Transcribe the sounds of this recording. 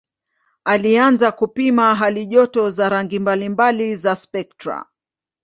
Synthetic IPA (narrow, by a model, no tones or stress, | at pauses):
alianzakupimaɦaliʄɔtɔzaɾaŋɡimbalimbalizaspɛk̚tɾa̰